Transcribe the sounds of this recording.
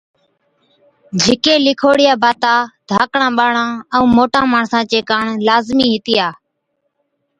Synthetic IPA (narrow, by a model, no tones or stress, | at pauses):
d͡ʒʱɪkeːlɪkʰoːɽɪjaːbaːt̪aːd̪ʱaːkɳãːɓaːɳãːə̃ːmoːʈãːmaːɳsãːt͡ʃeːkaːɳlaːzmiːɦɪt̪ɪjaː